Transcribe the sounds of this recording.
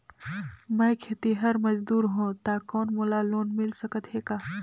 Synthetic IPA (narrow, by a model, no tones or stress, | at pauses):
mɐ̃jkʰeːt̪iɦɐɾmɐd͡ʒd̪uːɾɦõt̪aːkɔːnmolaloːnmɪlsɐkət̪ɦeːɡaː